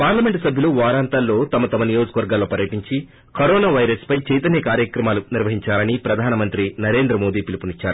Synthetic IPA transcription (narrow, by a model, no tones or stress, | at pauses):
paːɾlɐme̞ɳʈsɐbʱjuluʋaːɾaːnt̪ɐlːo̞ːt̪ɐmɐt̪ɐmɐnijo̞ːd͡ʒɐkɐʋɐɾɡaːlːo̞ːpɐɾjɐʈiɲt͡ʃi | koɾoːnaːʋɐjɾɐspɐjt͡ʃɛjt̪ɐnjɐkaːɾjɐkɾɐmaːluniɾʋɐɦiɲt͡ʃaːlɐnipɾɐd̪ʱaːnɐmɐnt̪ɾinɐɾe̞ːnd̪ɾɐmo̞ːd̪iːpilipunit͡ʃːa̰ːɾu